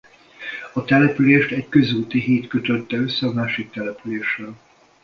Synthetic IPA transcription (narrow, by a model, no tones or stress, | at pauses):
ɒt̪ɛlɛpyleːʃt̪ɛɟkø̞zuːt̪iɦiːt̪køt̪ø̞t̪ːɛø̞sːɛɒmaːʃik̚t̪ɛlɛpyleːʃrɛl